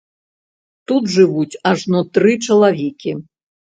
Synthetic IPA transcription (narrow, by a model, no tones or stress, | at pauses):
t̪ut̪ʐɨvut͡sʲaʐnɔt̪ɾɨt͡ʂɐlˠavʲɛkʲi